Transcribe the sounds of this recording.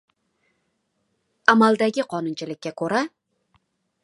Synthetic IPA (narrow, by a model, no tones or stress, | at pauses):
amalˠd̪aɡʲɪqʰɒnʊnt͡ʃʰɪlɪkʲːakʰɵɾa